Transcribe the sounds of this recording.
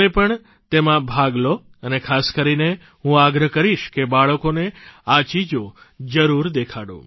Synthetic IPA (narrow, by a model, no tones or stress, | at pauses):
epəɳ | t̪emãbʱaɡloənekʰaskəɾine | ɦũaɡɾəɦkəɾiʃkebaɭəkoneat͡ʃid͡ʒũd͡ʒəɾuɾd̪ekʰaɽṵ̃